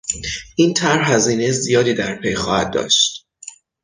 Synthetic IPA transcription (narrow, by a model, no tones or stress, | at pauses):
ʔiːnt̪ʰæɾɦæziːnejzijɒːd̪iːd̪æɾpʰe̞jxɒːhæd̪̚d̪ɒ̰ːʃt̪